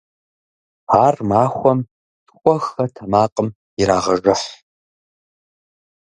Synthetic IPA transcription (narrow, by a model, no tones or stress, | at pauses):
aːrmaːxʷɔm | tʰkʷʼɔxɐtʰɐmaːqʼəm | iɾaːʁɐʐɐħ